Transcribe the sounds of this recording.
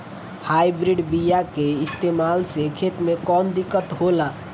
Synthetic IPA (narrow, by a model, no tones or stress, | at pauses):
hajbɾiɖbijakeist̪emalsekʰet̪mekɔnd̪ikːət̪ɦola